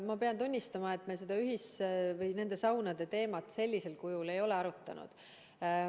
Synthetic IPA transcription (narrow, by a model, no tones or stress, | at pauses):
mɑpe̞ɑnt̪unʲːist̪ɑmɑe̞t̪ˑme̞se̞d̪̥ɑyɦisvɯjne̞nd̪̥e̞sɑwnɑd̪̥e̞t̪e̞ːmɑt̪se̞lʲːise̞lkujule̞jo̞le̞ɑɾut̪ːˑɑ̰nṵd̪̥